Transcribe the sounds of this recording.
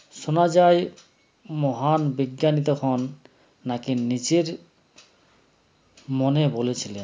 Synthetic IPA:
ʃonad͡ʑaj | mɔɦanbiɡːanit̪okʰɔnː | akinit͡ɕeɾ | monebolet͡ɕʰilen

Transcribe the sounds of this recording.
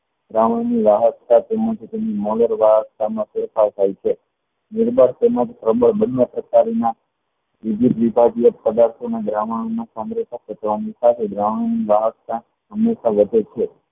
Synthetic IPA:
ɡɾaʋaɳniʋaɦəst̪at̪emat̪ʰit̪emnimɔləɾʋaɦəst̪amãfɪɾfat̪ajit͡ʃʰe | nɪɾbaɾt̪eməd͡ʒsɾəbəɭbənːepɾəkaɾna | id̪ʱit̪ʋibʱad͡ʒijəpəd̪aɾt̪ʰonaɡɾaʋaɽ̃onasamɾet̪ʰəkʰət̪ʋanisat̪ʰeɡɾaʋaniʋaɦəsa | ɦəmːeʃaʋəd̪ʱet͡ʃʰe

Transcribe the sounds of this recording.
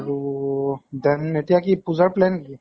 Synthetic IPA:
ɾu | d̪ɐnːeʈijakipuzəɾpleːnki

